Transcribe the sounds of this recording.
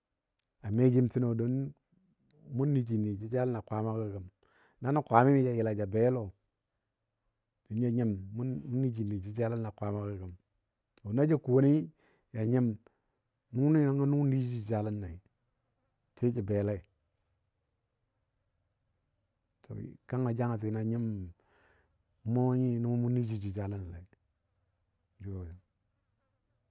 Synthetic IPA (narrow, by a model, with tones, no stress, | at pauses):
a˨me˦ɡi˦mti˦no˨do˦n | mu˦nːi˨d͡ʒi˨ni˨d͡ʒi˦d͡ʒa˦la˦na˨kʷa˦ma˦ki˦˨ɡa˨m | na˦na˦kʷa˨mi˦mi˦d͡ʒa˨ji˨la˨d͡ʒa˨be˦lo˨ | do˨nja˨ɲi˦mːu˦u˦nːi˦d͡ʒi˨ni˨d͡ʒi˦d͡ʒa˦la˦na˨kʷa˨˦ma˦ka˦˨ɡa˨m | o˨na˦d͡ʒa˦ku˨o˨˦ni˦ | ja˨ɲi˦m | nu˦ni˦na˦ŋa˦nu˦ni˦d͡ʒi˦˨d͡ʒa˨la˦nːa˨i˨ | t͡ʃe˦t͡ʃi˨be˨la˦i˨ | to̰˨bḭ˨ka˦ŋa˨d͡ʒa˦ŋa˨ti˨na˨ɲi˦m | mo˦ɲi˦˨nu˦ma˦mu˦ni˦d͡ʒi˨d͡ʒi˨d͡ʒa˦la˦n˨la˨i˨ | d͡ʒo˦˨ja˨ŋ